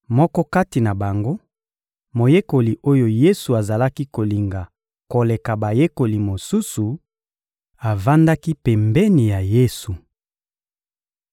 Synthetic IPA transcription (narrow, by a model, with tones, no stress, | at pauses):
mɔ˦kɔ˦ka˦ti˨na˨ba˨ŋɡo˦ | mo˨je˦ko˨li˨ʔo˦jo˦je˦su˨a˨za˨la˦ki˦ko˨li˨ŋɡa˨ | ko˨le˨ka˨ba˨je˦ko˨li˨mo˨su˦su˨ | a˨va˦nda˦ki˦pɛ˨mbɛ˦ni˨ja˨je˦su˨